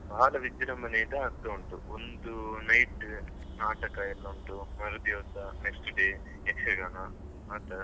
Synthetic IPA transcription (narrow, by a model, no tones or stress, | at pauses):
bʱaaːlɐʋid͡ʒiɾɐmɐnejind̪ɐːɾt̪ɐːɳʈuond̪unɐjʈ | naːʈɐkɐilːoːɳʈumɐɾɐd̪joːsɐneksʈɖeː | eksɐɡaːnɐ | maːt̪ɐɾ